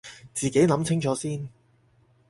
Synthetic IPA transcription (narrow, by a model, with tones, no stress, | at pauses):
t͡siː˨ke˨˥jnɐ˨˧˥mt͡sʰɪ˥ŋt͡ʃʰɔː˨˥siː˥n